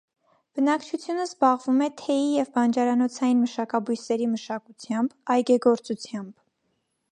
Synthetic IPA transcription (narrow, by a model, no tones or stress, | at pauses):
b̥ənɑkt͡ʃʰut͡sʰjunəzbɑʁvumɛt̪ʰɛjijɛvbɑnd͡ʒɑɾɑnɔt͡sʰɑjinməʃɑkɑbujsɛɾiməʃɑkut͡sʰjɑmbɑjɡɛɡɔɾt͡sut͡sʰjɑmb̥